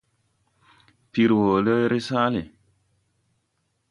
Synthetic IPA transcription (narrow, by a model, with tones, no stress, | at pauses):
pi˨ɾwo˨lə˦ɾi˦sa˦li˨